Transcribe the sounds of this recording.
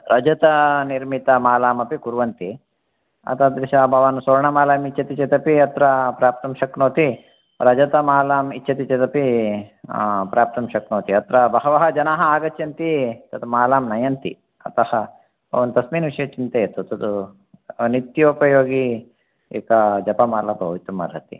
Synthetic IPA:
ɾɐd͡ʒɐt̪ɐniɾmit̪ɐmaːlaːmɐpikuɾʋɐnt̪i | ɐ̰t̪ɐd̪ʋiʃaːbʱɐʋanusoːɾɳɐmaːlaːmit͡ʃːɐt̪it͡ʃɐt̪ɐpiɐt̪ɾɐpɾaːp̚t̪ɐmʃɐknoːt̪i | ɾɐd͡ʒɐt̪ɐmaːlaːmit͡ʃːʃɐt̪it͡ʃɐt̪ɐpi | pɾʔaːp̚t̪ɐmʃɐknoːt̪iɐt̪ɾɐbɐɦɐʋɐɦɐd͡ʒɐnaːɦɐaːɡɐt͡ʃjɐnt̪it̪ɐt̪maːlaːmnɐjɐnt̪ḭ | ɐ̰t̪ɐhɐ | ɐʋɐnt̪ɐsmiːnʋiʂɐjɐt͡ʃint̪eːɐt̪ut̪ɐt̪u | nit̪joːpɐjoːɡi | ḛːkɐd͡ʒɐpɐmaːlaːbʱɐʋit̪umɐ̰ɾɐ̰t̪ḭ

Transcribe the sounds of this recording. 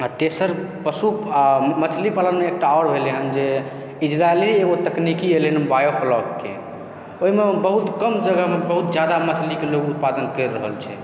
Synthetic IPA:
at̪esəɾ | pəsumət͡ʃʰlipaləɾmeːk̚ʈaɔɾbʱeliɦənd͡ʒe | id͡ʒɾaelieɡot̪əknikielenbajopʰlɔkkḛ | oɦimebəɦut̪kəmd͡ʒəɡəmebəɦut̪̚d͡ʒjad̪amət͡ʃʰlikeloɡut̪̚pad̪ənkəɾːəɦə̰lt͡ʃʰɛ̰

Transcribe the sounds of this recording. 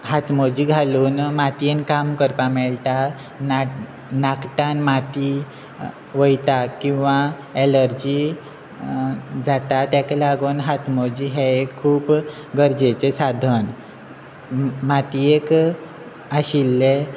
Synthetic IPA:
ɦat̪ʰmod͡ʑiːɡʱaluːnmat̪ienkamkəɾpamɛɭʈa | n | nakʈanmat̪i | ʋəjt̪akĩw̃ʋa | eləɾd͡ʑi | d͡zat̪at̪jaklaɡuːnɦat̪ʰmod͡ʑiɦeekʰːuːp | ɡəɾd͡ʑet͡sesad̪ʱən | mat̪iek | aɕilːe

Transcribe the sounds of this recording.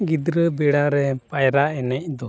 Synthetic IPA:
ɡid̪ɾəbɛɽaɾɛpajɾaɛnɛc̚d̪ɔ

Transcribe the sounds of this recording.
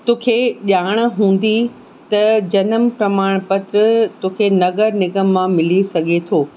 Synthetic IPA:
t̪oːkʰeʄaːɽ̃̆ɦũːn̆d̪i | t̪ɐd͡ʑɐnəmpɾɐmaːɽ̃pɐt̪ɾət̪oːkʰenɐɡəɾnɪɡəmːãmɪlisɐɡʱet̪ʰoː

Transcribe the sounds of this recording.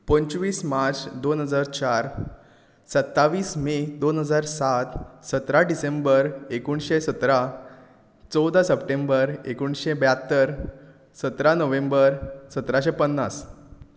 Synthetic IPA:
pənt͡ɕʋiːsmaɾt͡sd̪onɦəd͡zaɾt͡ɕaɾ | sət̪ːaʋiːsmed̪onɦəd͡zaɾsat̪sət̪ɾaɖisembəɾekuɳɕesət̪ɾa | t͡sɔwd̪asəpʈẽmbəɾekuɳɕebjat̪ːəɾ | sət̪ɾanəʋẽmbəɾsət̪ɾaɕepənːas

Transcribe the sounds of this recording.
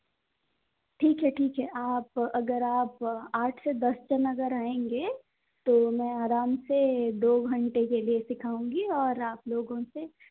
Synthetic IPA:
ʈʰiːkɦɛʈʰiːkɦɛʔaːpɐɡəɾaːpaːʈʰsed̪ɐst͡ʃənɐɡəɾaːẽːŋɡeː | t̪omɛ̃ːaːɾaːmsed̪oːɡʱɐ̃ɳʈekeliesɪkʰaːũːŋɡiɔːɾaːploːɡõse

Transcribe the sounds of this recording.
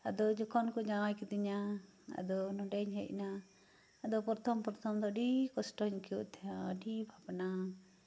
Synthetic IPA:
ad̪ɔd͡ʒɔkɔnkɔd͡ʒawajkid̪iɲa | a̰d̪ɔnɔɖɛɲɦɛ̰ʔ̚naː | d̪ɔpɔɾt̪ʰɔmpɔɾt̪ʰɔmd̪ɔɖikɔsʈɔɲkijṵʔt̪ʰɛjaɔɖibʱabna

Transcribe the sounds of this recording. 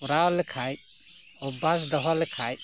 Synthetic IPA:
uɾalkʰaj | ɔbas̬d̪ɔɦɔlkʰaj

